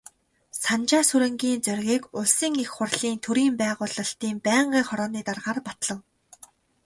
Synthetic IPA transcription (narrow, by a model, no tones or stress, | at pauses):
sant͡ɕaːsuɾɘ̆ŋɡʲiːnt͡sœrʲɣʲiːkʊɮsĭŋixχʊrɮiːnt̪ʰɵɾiːmpæːʁʊːɮə̆ɬt̪iːmpæːɴɢiːχɔɾɔːniːt̪arʁaːrpḁt̪ɮə̆ŋ